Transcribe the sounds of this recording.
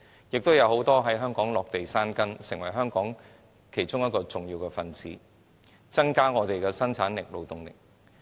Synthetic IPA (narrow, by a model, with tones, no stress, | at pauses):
jɪ˨k̚t̪o˥wjɐ˨˧who˨˥wt̪ɔː˥ɦɐ˨˥jɦœː˥ŋkɔː˨˥ŋlɔː˨k̚t̪e˨jsaː˥nkɐ˥nsɪ˨ŋwɐ˨˩jɦœː˥ŋkɔː˨˥ŋ | kʰe˨˩jt͡sʊ˥ŋjɐ˥t̚kɔː˧t͡sʊ˨ŋjiː˧wkɛː˧fɐ˨nt͡siː˨˥ | t͡sɐ˥ŋkaː˥ŋɔː˨˧t̪e˨jkɛː˧sɐ˥nt͡sʰaː˨˥nlɪ˨k̚lo˨wt̪ʊ˨ŋlɪ̰˨k̚